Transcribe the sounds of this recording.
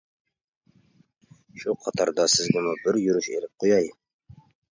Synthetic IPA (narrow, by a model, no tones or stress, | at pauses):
ʃuqʰɑt̪ʰɑɾd̪ɑsɪzɡʲʊnɨbɪɾjyɾyʃelɪp̚qʰojɑj